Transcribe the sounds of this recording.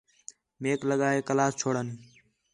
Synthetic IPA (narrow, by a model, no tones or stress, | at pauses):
meːkləɠaːɦeːkəlaːst͡ʃʰoːɽən